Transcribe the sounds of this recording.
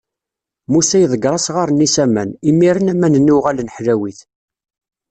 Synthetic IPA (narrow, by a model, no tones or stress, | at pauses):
musæjðˤəɡɾˤɑsʁaɾˤnisæmæ̰nimiɾənæmænənːuʁælnəħlæwiθ